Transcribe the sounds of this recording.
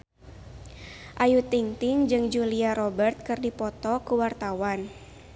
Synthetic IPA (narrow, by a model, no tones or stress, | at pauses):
ʔajut̪iŋt̪ɪŋd͡ʒɨŋd͡ʒuliaɾɔbərt̪̚kɨrdipɔt̪ɔkuwart̪awan